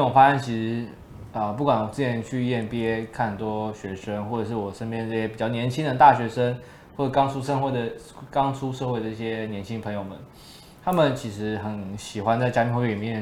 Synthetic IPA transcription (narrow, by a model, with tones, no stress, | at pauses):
wɔ˨˩fa˥a˥˩nt͡ɕʰi˧˥ʂɻ̩˧˥ | ə˧p̬u˥˩kwa˨˩nwɔ˨˩t͡sɹ̩˥˩t͡ɕʰjɛ˧˥nt͡ɕʰy˥˧jɛ˥˩npjɛ˥kʰa˥˩nt̪wɔ˥ɕɥɛ˧˥ʂə˥ŋxwɔ˥˩ʈ͡ʂɤ˨˩ʂ̬ɻ̩˥˩wɔ˨˩ʂə˥np̬jɛ˥nd̪ə˨˩i˥˩ɕjɛ˥pi˨˩t͡ɕɑ˥˩ʊnjɛ˧˥nt͡ɕʰi˥ŋd̪ə˨t̪a˥˩ɕɥɛ˧˥ʂə˥ŋ | wɔ˥˩ʈ͡ʂə˨˩kɑ˥ŋʈ͡ʂʰu˥ʂə˥˧nxwɔ˧˥d̪ə˩ | kɑ˥ŋt͡sʰu˥ʂɤ˥˧xwe˥˩ɪd̪ə˩i˥˧ɕjɛ˦˥njɛ˧˥nt͡ɕʰi˥ŋpʰə˧˥ŋjo˨˧ʊmə̰˨˦n | t̪ʰa˥mə˨nt͡ɕʰi˧˥ʂɻ̩˧˥xə˧˦˥nɕi˨˩xwa˦nt͡sa˥˩t͡ɕa˥pʰi˥˧xwɛ˥˩˨i˨˩˧ɛ˥˨˩